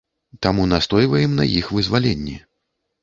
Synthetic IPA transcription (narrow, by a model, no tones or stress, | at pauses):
t̪amunast̪ɔjvɐjɛmnɐ̰jixvɨzvalʲɛnʲːɛ